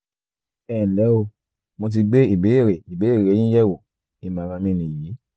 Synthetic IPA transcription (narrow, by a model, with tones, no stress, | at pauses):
ɛ˨lɛ˨˦o˧ | mo˧t̬i˧ɡ͡be˦i˨be˨˦e˦˨ɾe˨i˨be˨˦e˦˨ɾe˨˦jĩ˦jɛ˦wo˨ | i˧mã˨˦ɾa˧mĩ˧nĩ˨ji˨˦